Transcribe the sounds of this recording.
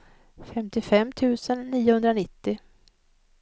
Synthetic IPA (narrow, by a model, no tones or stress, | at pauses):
fɛmt̪ɪfɛmːt̪ʰʉ̟ːsənːiːʊhɵnd̪ɾanɪt̪ːɪ